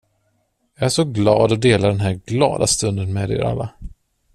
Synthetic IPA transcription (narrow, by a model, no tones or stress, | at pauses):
jɑːæʂɔɡlɑːd̪ɔd̪eːlaɖ̪ɛnɦæːɾɡlɑ̰ːd̪ast̪ɵnd̪ənmɛːd̪ḛːɾa̰lːa